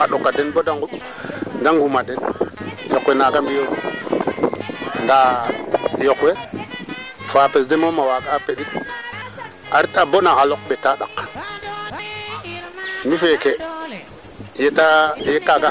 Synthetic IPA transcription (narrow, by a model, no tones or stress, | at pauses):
aɗokːadenbodaŋɡuɗ | daŋɡumadenjokwenaɡambijo | nda | jokwe | fapesdemomawaɡaːpeɗit̚ | aɾitabonaxalok̚ɓetaɗak | mifeke | jetajekaɡa